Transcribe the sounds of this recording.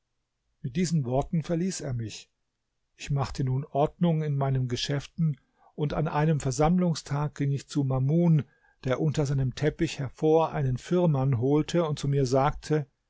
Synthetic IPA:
mɪt̚d̥iːzn̩vɔɐtn̩fɛɐliːseːɐmɪç | ʔɪçmaχtənuːnʔɔɐdnʊŋɪnmaɪnəmɡəʃɛftn̩ | ʔʊnta̰nʔa̰ɪnəmfɛɐzamlʊŋstʰaːk̚ɡ̥ɪŋɪçt͡sumamuːn | d̥eːɐʔʊntɐzaɪnəmtʰɛpɪçhɛɐfoːɐʔa̰ɪnənfɪɐmanɦoːltʰəʊnt̚t͡sumiːɐzaːk̚tʰə

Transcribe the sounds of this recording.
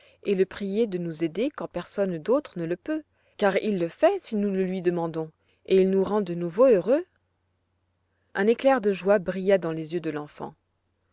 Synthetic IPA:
eləpχijed̪ənuzed̪ekɑ̃pɛʁsɔnd̪ot̪χənələpø | kaʁḭlːəfɛsinuləlɥid̪əmɑ̃d̪ɔ̃ | eilnuʁɑ̃d̪ənuvoøʁø | ʔɛ̃neklɛʁd̪əʒwabʁijad̪ɑ̃lezjød̪əlɑ̃fɑ̰̃

